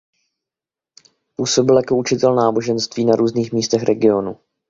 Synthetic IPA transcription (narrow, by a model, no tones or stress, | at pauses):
puːso̞bɪljako̞ut͡ʃɪt̪ɛlnaːbo̞ʒɛnst̪viːnaɾʔuːzniːxmiːst̪ɛxɾɛɡɪo̞nu